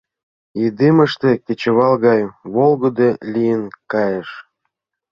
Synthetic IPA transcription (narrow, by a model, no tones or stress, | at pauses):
id̪emə̆ʃt̪ekʲet͡ɕə̆βɑlˠɣɑjβolɣŏd̪elʲijənkɑjeʃ